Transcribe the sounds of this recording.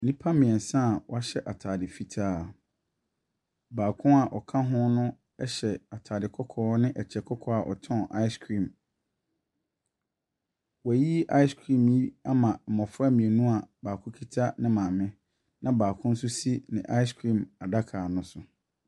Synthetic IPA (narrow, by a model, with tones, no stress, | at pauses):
nĩ˦pʰa˦mɪ̃˨ɛ˨n˨sã˦˨wɔ˦a˦ɕɛ˦ʔa˨tʰaː˨dɪ˨fi˦tʰaː˦˨ | baː˨kʰʊ̃˦a˨ʔɔ˨kʰã˦ɦʊ̃˦nʊ̃˦ | ɛ˦ɕɛ˨a˨tʰaː˨dɪ˨kʰɔ˦kʰɔː˦nɪ̃˦ʔɛ˨t͡ɕʰɛ˨kʰɔ˦kʰɔ˦a˨ʔɔ̰˨tʰɔ̃˦˨ʔa˦ɪ˦skʰɾĩ˦˨m | wji˦ʔa˦ɪ˦skʰɾĩ˦˨m˨ji˦a˦mã˨mɔ̃˨fa˦˨mĩ˨e˨nũ˦a˨baː˨kʰʊ̃˦kʰi˦tʰa˦nɪ̃˦mã˨mɪ̃˦ | nã˦baː˨kʰʊ̃˦n̩˦sʊ˦si˦nɪ̰̃˨ʔa˦ɪ˦skʰɾĩ˦˨ma˨da˦kʰaː˨nʊ̃˦sʊ˨